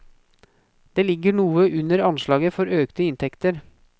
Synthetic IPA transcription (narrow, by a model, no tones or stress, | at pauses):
d̪̥eːlɪɡəɳuːəʔʉnəɾɑnʃlɑːɡəfɔɾøːkt̪əɪnt̪ʰɛkt̪əɾ